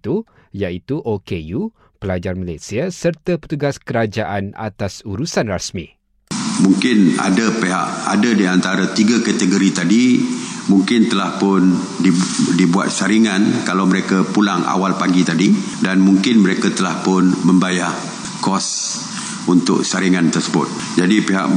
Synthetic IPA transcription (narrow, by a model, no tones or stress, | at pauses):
t̪u | jait̪uʔokeju | pəlad͡ʒarmalasiasərt̪apə̥t̪uɡaskəɾad͡ʒaʔana̰t̪asuɾusanrasmĩ | muŋkɪna̰dapeɦa̰ʔa̰dadiant̪aɾat̪iɡakat̪əɡoɾit̪adimuŋkɪnt̪əlahpʊn | idibua̰t̪̚saɾiŋankalawməɾekapulaŋa̰walpaɡit̪adi | danmuŋkɪnməɾekat̪əlahpʊnmə̃mbajah | kɔs | unt̪ʊ̰k̚saɾiŋant̪ərsəbʊ̰t̪̚ | d͡ʒadipeɦa̰ʔ